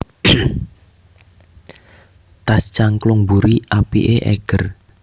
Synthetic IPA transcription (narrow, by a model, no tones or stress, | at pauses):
t̪ast͡ʃaŋklʊŋbuɾiʔapḭʔeʔɛ̰ɡ̥ər